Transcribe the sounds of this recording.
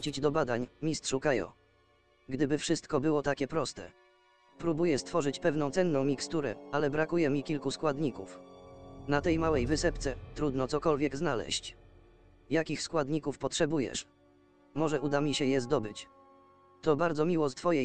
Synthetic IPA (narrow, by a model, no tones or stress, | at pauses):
t͡ɕid͡ʑd̪ɔbad̪aɲmʲist̪ʂukajɔ̰̃ | ɡd̪ɘbɘfʂɘst̪kɔbɘwɔt̪akʲɛpɾɔst̪ɛ̰ | pɾubujɛst̪fɔʐɘt͡ɕpɛvn̪ɔ̃w̃t̪sɛnːɔ̃w̃mʲikst̪uɾɛalɛbɾakujɛmʲikʲilkuskwad̪ɲikuf | nat̪ɛjmawɛjvɘsɛpt̪sɛt̪ɾud̪nɔt̪ɔkɔlvʲjɛɡznalɛ̰ɕt͡ɕ | jakʲixskwad̪ɲikufpɔtʂɛbujɛ̰ʂ | mɔʐɛʔud̪amʲiɕɛjɛzd̪ɔbɘt͡ɕ | t̪ɔbaɾd̪zɔmʲiwɔst̪fɔjɛ